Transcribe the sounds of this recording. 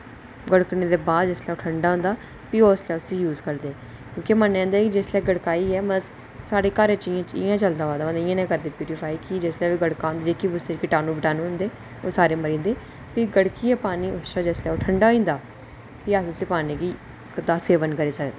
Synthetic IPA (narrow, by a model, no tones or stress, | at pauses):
ɡəɽkneːd̪eːbaːd̪d͡ʒɛːslɛːoːʈʰəɳɖaːɦõːnd̪aː | pioːslɛːʊsĩːjuːzkəɾd̪eː | kjõːkimənːɛ̃ːnd̪aːkid͡ʒeːslɛːɡəɽkaːiːɛːməz | saːɽeːkaːɾet͡ʃɪjãːt͡ʃɪ̰jãːt͡ʃəld̪aːʋaːd̪aːəd̪ɪjãːnɛ̃ːkəɾd̪eːpjuːɾifʰaːiːkid͡ʒɪslɛːʋiːɡəɽkaːnd̪d͡ʒeːkiːbʊst̪eːt͡ʃkɪʈaːnũːbɪʈaːnũɦʊ̃nd̪eː | oːsaːɾeːməɾĩːnd̪eː | piːɡəɽkiːɛːpaːniːoʃaːd͡ʒɛslɛːoːʈʰəɳɖaːĩːnd̪aː | piːaʊsiːpaːneːɡiː | d̪aːseːʋənkəɾeːsəkd̪eː